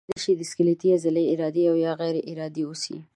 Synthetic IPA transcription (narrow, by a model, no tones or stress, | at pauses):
eʃid̪əskəlet̪iazɪleɪɾɑd̪eawjɑɣɛjɾeʔɪɾɑd̪ewusḭ